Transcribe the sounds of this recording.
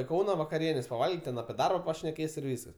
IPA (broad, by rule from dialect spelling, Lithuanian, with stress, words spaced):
ɪ ˈkɐʊnɐ ʋɐkɐˈrʲiɛnʲeːs pɐˈʋɐlʲɡʲiːtʲ tʲɛn ɐpʲiɛ ˈdɐrbɐ pɐʃʲnʲɛˈkʲeːs ɪr ˈʋʲiːskɐs